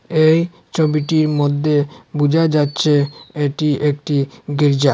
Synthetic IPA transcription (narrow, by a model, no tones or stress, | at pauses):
ej | t͡ɕʰobiʈiɾmod̪ʱːebud͡ʑʱad͡ʑatːɕʰeeʈiʔek̚ʈiɡiɾd͡ʑa